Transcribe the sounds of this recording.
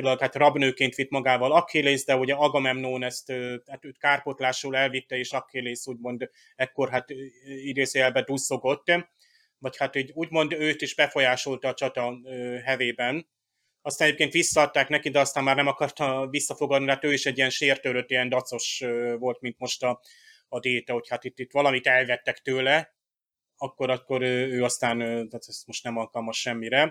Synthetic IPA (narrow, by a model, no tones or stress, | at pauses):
d̪lkhat̪rɒbnøːkeːnt̪ʋit̪mɒɡaːvɒlɒkːeːleːzd̪ɛuɟɛɒɡɒmɛmnoːnɛst̪øːhat̪øːt̪kaːrpo̞t̪laːʃuːlɛlvit̪ːɛeːʃɒkːeːleːsuːɟmo̞nd̪ | ɛkːo̞rɦat̪ːid̪eːzeɛlbɛd̪uso̞ɡo̞t̪ː | vɒchat̪iːɟuːɟmo̞nd̪øːt̪iʒbɛfo̞jaːʃolt̪ɒːt͡ʃɒt̪ɒøɦɛveːbɛn | ɒst̪anɛɟepkeːnt̪ʋisːɒɒt̪ːaːknɛkid̪ɛɒst̪aːmːaːrnɛmɒkɒrt̪ɒvisːɒfo̞ɡɒd̪nit̪ɛɦaːt̪øːiʃɛɟːijɛnʃeːrt̪øːløt̪ːijɛnd̪ɒt̪so̞ʃvo̞lt̪mint̪mo̞ʃt̪ɒː | d̪eːt̪ɛho̞chat̪it̪ːit̪ːʋɒlɒmit̪ɛlvɛt̪ːɛkt̪øːlɛ | ɒkːo̞ɾɒkːo̞ɾøøːɒst̪aːnt̪aːt̪ɛst̪mo̞ʃt̪nɛmɒlkɒlmɒʃːɛmːiɾɛ